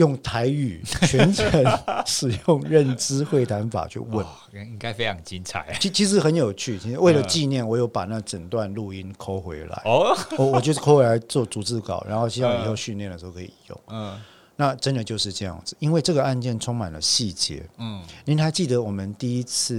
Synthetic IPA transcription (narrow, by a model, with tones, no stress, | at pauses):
jʊ˥˩ŋt̪ʰa˧˥ɪy˨˩t͡ɕʰɥɛ˧˥nʈ͡ʂʰə˧˥nʂɻ̩˨˩jʊ˥˧ŋɻə˥˨nʈ͡ʂɻ̩˥xwe˥˩ɪt̪ʰa˧˥nfa̰˨˩t͡ɕʰy̰˥˧wə˥˩n | i˦˥ŋka˥˦ɪfe˥ɪʈ͡ʂʰɑ˧˥ŋt͡ɕi˦˥nt͡sʰa̰˨˩˦ɪi˧˥t͡ɕʰi˧˥ʂ̬ɻ̩˧˥xə˧˦njo˨˩ʊt͡ɕʰy˥˩t͡ɕʰi˧˥ʂ̩˧we˥˩ɪlə˩t͡ɕi˥˧njɛ˥˩nwɔ˨˩jo˥˩ʊpa˨˩na˥˩ɡʈ͡ʂə˨˩nt̪wa˥˧nlu˥˩i˥nkʰo˥ʊxwe˧˥ɪla̰˧˦ɪwɔ˨˧˦wɔ˨˩t͡ɕjkʰo˥xwe˧˥ɪa˧˥ɪt͡swɔ˥˩t͡su˨˥t͡sɹ̩˥˩kɑ̰˨˩ʊɻʔa̰˧˥nxo˥ʊi˥˧wa˥˧ŋ˨i˨˩xo˥˧ʊɕy˥˧nljɛ˥˩nd̪ə˩ʂ̩˧xo˥˩kʰːi˨˩jʊ̰˥˩ŋ | na˥˨ʈ͡ʂə˦˥nd̪ə˨˩t͡ɕjo˥˧ʊʂɻ̩˥˧ʈ͡ʂɤ˥˧jɑ̰˥˩ŋd͡zɹ̩˨˩i˥nwe˥˧ɪʈ͡ʂɤ˥˩ɡə˩a˥˧nt͡ɕjɛ˥˩nʈ͡ʂʰʊ˥ŋma̰˨˩nlə˦ɕi˥˩t͡ɕjɛ̰˧˥˦ni˧˥nxa˧˥ɪt͡ɕi˥˩d̪ə˧˦wɔ˨˩mə˦nt̪i˥˩i˥t͡s̩ʰ˥˩